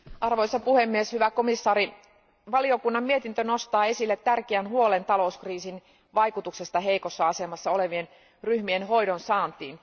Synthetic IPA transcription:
ʔɑrʋoisɑpuhemːieshyʋækomisːɑːɾi | ʋɑlio̞kunːɑmmiet̪int̪ønost̪ɑːe̞silːet̪ːærkeænhuolent̪ɑlouskriːsin | ʋɑikut̪ukse̞st̪ɑɦeikosːɑɑsemɑsːɑoleʋien | ryhmienhojdonsɑːnt̪iːn

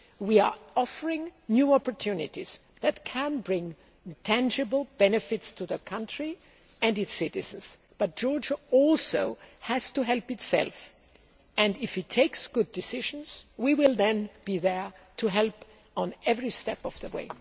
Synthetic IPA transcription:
wiə˞ɔfə˞ɪ̃ŋnjuɔpə˞tʰunɪ̰tiz̥ | ðɨtkʰæ̃nbɹɪ̃ŋ | tʰæ̃nd͡ʒɨbl̩ˠbɛnɨfɪtstʰuðəkʰʌ̃ntʰɹ̥i | ɨ̃nɨtsɪɾɪz̥ə̃n̩z̥ | b̥ʌt̚d̥ʒ̥ɔɹd͡ʒəɔlˠsoʊhæz̥tuɦɛlˠpɨtsɛ̰lˠf | ɨ̃ndɪfɨtʰeɪksɡ̥ʊdɨsɪʒ̃n̩z̥wiwɪlˠðɛ̃nb̥iðə˞tʰuɦɛlˠp | n̩ɛvɹistɛpʌv̥ðəwḛɪ

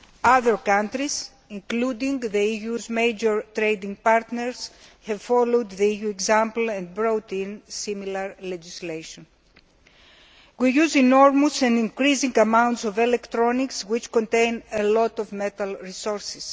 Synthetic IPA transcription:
aðəɹkãnt̪ɾiz̥ | ĩŋklud̪ĩŋðeijuzmejd͡ʒoɹt̪ɾejd̪ĩŋɡ̚paɾt̪neɹz̥hɛvfolowd̪ðeijueɡzãmpl̩ẽnd̪̚bɾot̪ĩnsimilɐɾled͡ʒislejʃõn | wijuzinoɾmosẽnd̪ĩŋkɾizĩŋɡɐmãwnt̪sovelekt̪ɾonikswit͡ʃkõnt̪ẽjnelɔt̪ovmet̪ɐlɹisoɾsis

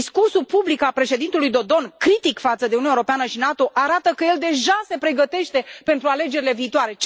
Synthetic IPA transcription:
skursupublikalpɾe̞ʃe̞d̪int̪ulujd̪o̞d̪o̞nkɾit̪ikfat̪səd̪e̞ununeoɾopeanəʃinat̪o̞ʔaɾat̪əkəje̞ld̪e̞ʒase̞pɾe̞ɡət̪e̞ʃt̪e̞pe̞nt̪ɾuale̞d͡ʒe̞ɾile̞viːt̪oaɾe̞t͡ʃ

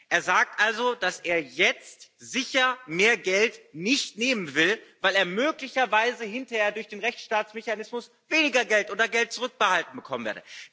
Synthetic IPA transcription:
ʔeːɐzaːk̚tʔalzod̥asʔeːɐjɛt͡stz̥ɪçɐmeːɐɡɛltnɪçtneːmənvɪlvaɪleːɐmøːklɪçɐvaɪzəhɪntɐheːɐdʊɐçd̥eːnʁɛçt͡sʃtaːt͡smeçanɪsmʊs | veːnɪɡɐɡɛltʔoːdɐɡɛlt̚t͡suʁʏk̚b̥əhaltn̩bəkʰɔmənvḛːɐdə

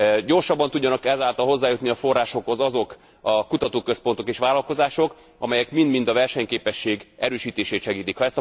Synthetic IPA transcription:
ɟo̞rʃɒbːɒnt̪uɟːɒnɒkɛzaːlt̪ɒlɦo̞zːaːjut̪niɒfo̞rːaːʃo̞kho̞zɒzo̞k | ɒkut̪ɒt̪oːkø̞spo̞nt̪o̞keːʃʋaːlɒlko̞zaːʃo̞k | ɒ̰mɛjɛkmind̪mind̪ɒvɛrʃɛɲkeːpɛʃːeːɡɛɾøːʃiːt̪eːʃeːt̪ʃɛɡiːt̪ikhɒɛst̪ɒ

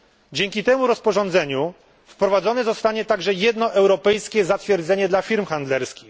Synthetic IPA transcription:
d͡ʑɛŋʲkʲit̪ɛmuɾɔspɔʐɔnd̪zɛɲu | fpɾɔvad̪zɔnɛzɔst̪aɲɛt̪aɡʐɛjɛd̪nɔʔɛwɾɔpɛjskʲɛzat̪fʲjɛɾd̪zɛɲɛd̪lafʲiɾmxand̪lɛɾskʲix

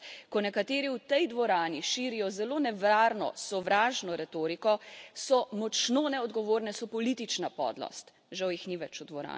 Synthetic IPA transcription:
kɔnɛkat̪eːɾiuwt̪ɛjd̪ʋɔɾaːniʃiːɾijɔzɛloːnɛʋɾaːɾnɔ̰sɔʋɾaːʒnɔɾɛt̪oːɾikɔsɔmɔt͡ʃnonɛɔd̪ɡɔʋoːɾnɛsɔpɔliːt̪it͡ʃnapɔ̰ːd̪lɔ̰st̪ | ʒawjixniʋɛt͡ʃud̪ʋɔɾa̰ː

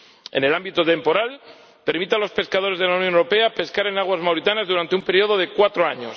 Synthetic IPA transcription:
e̞̰ne̞lambit̪ot̪e̞mpo̞ɾal | pe̞ɾmit̪alo̞spe̞skaðo̞ɾe̞zð̞elaunjonewɾopeape̞skaɾe̞naɣ̞wazmawɾit̪anazðuɾant̪eumpe̞ɾio̞ð̞oð̞e̞kwat̪ɾoaɲos

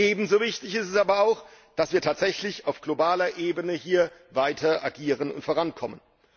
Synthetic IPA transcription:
ʔeːbm̩zoːvɪçtɪçɪstɛsʔaːbɐaʊx | d̥asv̥iːɐtʰaːtz̥ɛçlɪçaʊfɡ̥lobaːlɐʔeːbənəhiːɐvaɪtʰɐʔaɡiːʁənʊ̰ntfoːʁankʰɔmən

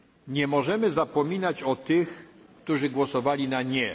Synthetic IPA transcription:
ɲɛmɔʐɛmɘzapɔmʲinat͡ɕɔt̪ɘxkt̪uʐɘɡwɔsɔvalʲinaɲɛ

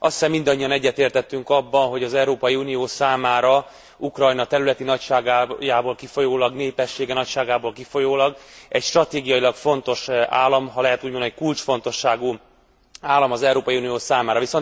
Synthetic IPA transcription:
ɒssɛmːind̪ɒɲːiɒnɛɟːɛt̪eːrt̪ɛt̪ːyŋkɒbːɒnɦo̞ɟɒzɛuɾoːpɒjiunijoːsaːmaːɾɒ | ukrɒjnɒt̪ɛɾylɛt̪inɒcʃaːɡaːjaːboːlkifo̞joːlɒɡneːpɛʃːeːɡɛnɒcʃaːɡaːboːlkifo̞joːlɒɡɛcʃt̪rɒt̪eːɡijɒjilɒkfo̞nt̪o̞ʃa̰ːlːɒmɦɒlɛɦɛt̪uːɟmonɛɛckult͡ʃfo̞n̪t̪o̞ʃːaːɡu | aːlːɒmɒzɛuɾoːpɒjiunijoːsaːmaːɾɒvison

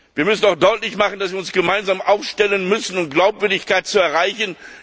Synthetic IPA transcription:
viːɐmʏsn̩aʊxd̥ɔʏtlɪçmaχn̩d̥asv̥iːɐʊnsɡ̥əmaɪnzaːmʔaʊfʃtɛlənmʏsn̩ʊmtɡ̥laʊpv̥ʏɐdɪçkaɪt̚t͡suɛɐʁaɪçən̩

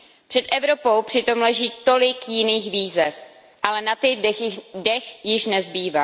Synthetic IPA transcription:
pr̥ɛt̪ʔɛvɾo̞po̞wpr̝̥ɪt̪o̞mlɛʒiːt̪o̞lɪkjɪniːxviːzɛf | ʔalɛnat̪ɪdɛxjɪʃnɛzbiːva

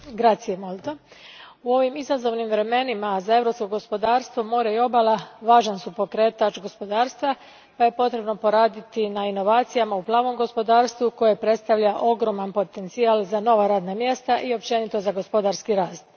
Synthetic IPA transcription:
ɡɾat̪sijemolˠt̪o | uo̞ʋimizazo̞ʋnimʋɾe̞me̞nimazae̞vɾo̞psko̞ɡo̞spo̞d̪aːɾst̪ʋo̞mo̞ɾeio̞balˠaʋaːʒansupo̞kɾe̞ːt̪at͡ʃɡo̞spo̞d̪aːɾst̪ʋa | paje̞po̞t̪ɾe̞bno̞po̞ɾaːd̪it̪inaino̞ʋaːt̪sijamauplˠaːʋo̞mɡo̞spo̞d̪aːɾst̪ʋuko̞je̞pɾe̞t̪st̪aʋʎaʔo̞ɡɾo̞manpo̞t̪e̞nt̪siaːlˠzano̞ʋaɾaːd̪namje̞st̪aʔio̞pt͡ʃe̞nit̪o̞zaɡo̞spo̞d̪aɾskiɾaːst̪̚

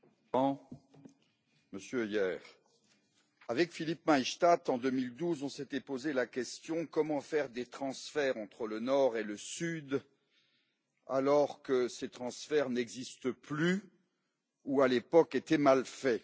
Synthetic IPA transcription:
ɑ̃ | məsjøjɛːʁ | avɛkfilip̚maiʃt̪at̪ɑ̃d̪ømild̪uzɔ̃set̪ɛpozelakʲɛst̪jɔ̃kɔmɑ̃fɛʁd̪et̪χɑ̃sfɛʁɑ̃t̪χələnɔʁeləsyd̪ | alɔʁkəset̪χɑ̃sfɛʁnɛɡzist̪əply | ualepɔket̪ɛmalfɛ

